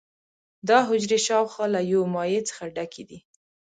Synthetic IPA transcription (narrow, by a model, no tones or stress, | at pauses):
d̪ɑɦʊd͡ʒɾeʃɑwxɑlajomɑjet͡sə̥xaɖakʰed̪i